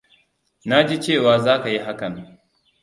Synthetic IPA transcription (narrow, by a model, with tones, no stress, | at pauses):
na˦d͡ʒi˦t͡ʃeː˦˨waː˨zaː˦ka˨ji˦ɦa˦kɐ˨